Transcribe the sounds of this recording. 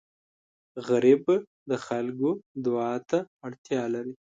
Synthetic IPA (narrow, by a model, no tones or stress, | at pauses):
ɣaɾib | d̪əxalɡod̪ʊɑːt̪aːɽt̪jɑlaɾi